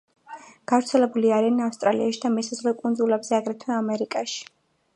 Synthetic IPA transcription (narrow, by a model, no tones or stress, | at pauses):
ɡ̥avɾt̪sʰɛlɛbuliaɾianafst̪ʼɾa̰lḭa̰ʃid̪amisazʁlɛkʼund̪zulɛbzɛaɡɾɛt̪ʰwɛːmɛɾikʼaʃi̥